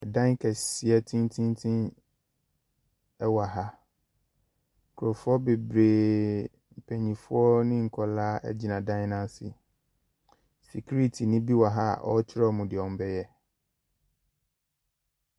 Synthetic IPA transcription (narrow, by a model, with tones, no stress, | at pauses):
dã˦ŋ˦kʰɛ˨sɪ˨ɛ˦tʰĩ˦n˦tʰĩ˦n˦tʰĩ˦n | ɛ˦wa˨ɦa˦˨ | kʰʊ˨ɾɔ˨fʊ˦ɔ˦be˨bɾeː˨ | m̩˨pʰɛ˨ɲĩ˨fʊ˦ɔ˦nɪ̃˦ŋ̩˨kʰɔ˨laː˦ʔɛ̰˦d͡ʑi˨nã˨dã˦n˦nã˦sɪ̰˨ | si˨kʰu˦ɾi˦tʰi˨nɪ̃˦bi˦wa˨ɦa˦a̰˨ʔɔ̰˦t͡ɕʰɪ˦ɾɔ˦˨mũ˨dɪ˨ɔ̃˨m˨bɛ˦jɛ˦